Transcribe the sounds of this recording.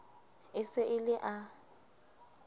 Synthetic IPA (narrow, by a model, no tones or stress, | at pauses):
ɪsɪʔɪlɪʔa